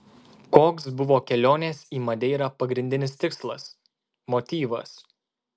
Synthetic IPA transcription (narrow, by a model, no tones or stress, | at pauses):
koːksbʊʋoːkʲɛlʲoːnʲeːsiːmɐd̪ʲɛɪɾɐpɐɡɾʲɪnʲd̪ʲɪnʲɪst̪ʲɪkslˠɐ̰s | mɔt̪ʲiːʋɐ̰s